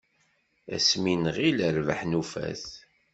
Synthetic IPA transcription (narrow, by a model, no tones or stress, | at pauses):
æ̰sminəʁiləɾvəħnufæ̰θ